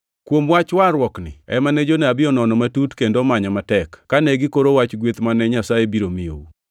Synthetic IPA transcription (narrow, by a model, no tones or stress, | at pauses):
kwomwat͡ʃwaɾwɔknɪ̰ɛ̰manɛd͡ʒoneabɪɔnɔnɔmatutkendomaɲɔmatɛkːanɛɡɪkoɾowat͡ʃɡwet̪manɛɲasajebiɾomijo̰u